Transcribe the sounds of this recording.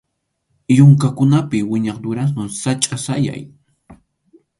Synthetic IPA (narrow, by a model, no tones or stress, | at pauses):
jʊŋkakʊnapɪwɪɲɑχd̪ʊɾas̬maŋsat͡ʃʼasaja̰j